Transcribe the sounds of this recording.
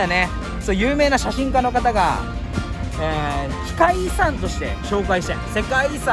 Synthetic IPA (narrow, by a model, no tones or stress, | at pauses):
ne̥ | t̪ojɯ̟ːme̞ːnaɕaɕĩŋkano̞kat̪aɡa̰ | eː | çi̥kaisãnt̪o̞ɕi̥t̪e̞̰ɕo̞ːkaiɕi̥t̪ese̞kaisã